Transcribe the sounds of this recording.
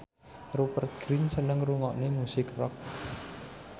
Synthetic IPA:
rupərt̪̚ɡ̥ɾinsənəŋruŋɔʔnemusɪkrɔ̰k̚

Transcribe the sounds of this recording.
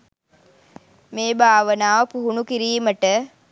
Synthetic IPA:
meːbʱaːʋənaːʋəpuɦunukiɾiːməʈə

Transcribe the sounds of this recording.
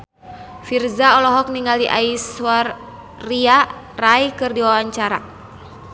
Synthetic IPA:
firzaɔlɔɦɔk̚niŋaldiʔa̰iswarː | ia | rajkɨrdiwawaɲt͡ʃaɾa̰

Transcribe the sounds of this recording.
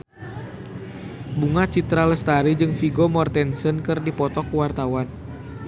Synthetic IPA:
buŋat͡ʃit̪ɾaləst̪aɾid͡ʒɨŋfiɡɔmɔrt̪ɛnsənkɨrdipɔt̪ɔkuwart̪awan

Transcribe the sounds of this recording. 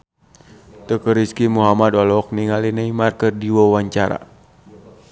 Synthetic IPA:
t̪əkəɾiskimuɦamadwalɔk̚niŋalinəimarkərdiwɔwaɲt͡ʃaɾa̰

